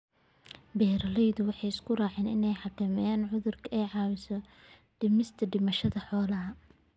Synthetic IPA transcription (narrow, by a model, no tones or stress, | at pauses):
bɛːɾɐlɛjðʊwɑħɑjɪskʰʊraːʕɛːnɪnɛjħɑkʰɐmɛjaːnʕʊðʊrkʰɐɛːʕɑːwɪsɔ | ɖ̥ɪmɪst̪ʰɐɖɪmɐʃɐðɐħɔːlɐɦɐ